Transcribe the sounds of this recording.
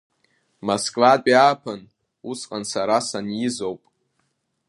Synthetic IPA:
moskʼvad̚ʼapʰan | usqʼansaɾasanjɪzowpʼ

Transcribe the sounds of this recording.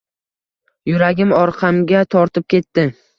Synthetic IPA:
jʊɾaɡʲɪmɒɾqʰɑmɡʲat̪ʰɒɾt̪ʰɪp̚kʲʰe̞t̪ːɪ

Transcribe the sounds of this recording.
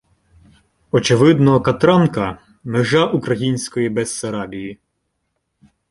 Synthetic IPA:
ɔt͡ʃeʋɪd̪nɔɦɔkɐt̪ɾɑnkɐ | mɪʒɑʔukɾɐjinʲsʲkɔjibɛsːɐɾɑbʲiji

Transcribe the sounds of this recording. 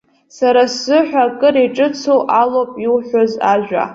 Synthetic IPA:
saɾaszɨħʷᶣakʼɨɾeʈ͡ʂʼɨt͡sʰowʔalopʼilħʷᶣazaʒᶣʷa̰

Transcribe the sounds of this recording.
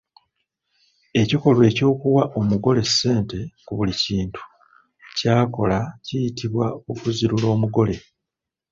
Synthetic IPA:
e̞ciko̞lwe̞ːco̞ːkuwaʔo̞muɡo̞le̞sːe̞ːnte̞kuβuliciːntu̥ | caːko̞lacijitʰiβwaokuziɾulo̞ːmuɡo̞le̞

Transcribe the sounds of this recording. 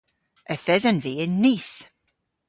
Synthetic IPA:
əθɛzənviɪnːis

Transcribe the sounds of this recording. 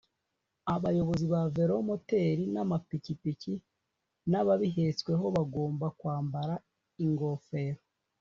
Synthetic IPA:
aβajo̞βo̞ziβave̞ɾomote̞ɾinamapicipici | naβaβiɦe̞t͡swe̞ɦo̞βaɡo̞ːmbakwaːmbaɾa | iŋɡo̞fe̞ɾo

